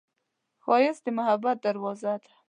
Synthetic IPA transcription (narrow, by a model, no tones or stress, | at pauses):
xɑjɪsd̪ɪmahabːat̪̚d̪aɾwɑzad̪ḁ